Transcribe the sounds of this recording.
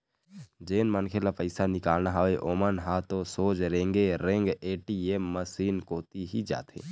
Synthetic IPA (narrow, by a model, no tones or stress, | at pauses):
d͡ʒeːnmənkʰelapəɪsanɪkaːlnaɦaʋeʔoːmənɦaːt̪osoːd͡ʒɾẽːŋɡeɾẽŋɡeːʈieːmːəsiːnkoːt̪iɦid͡ʒa̰ːt̪ḛ̃ː